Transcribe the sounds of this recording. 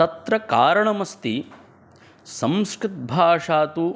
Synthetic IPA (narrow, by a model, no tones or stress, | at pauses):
ɐt̪ɾɐkaːɾɐɳɐmɐst̪i | sɐmskɾɪt̪̚bʱaːʂaːt̪u